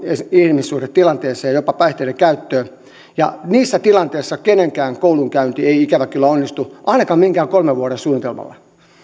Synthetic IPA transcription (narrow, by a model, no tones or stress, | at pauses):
eihlmisːuːret̪t̪ilɑnt̪eːseːɑjopɑpɑiht̪eiɾekæyt̪ːøː | jɑ̰niːsːæt̪ilɑnt̪eːsːɑkeneŋkæːŋkouluŋkæynt̪ieiikæʋækylːæonːist̪uʔɑinɑkɑːmiŋkæːkolmeʋuoɾesuːnit̪elmɑ̰lːɑ̰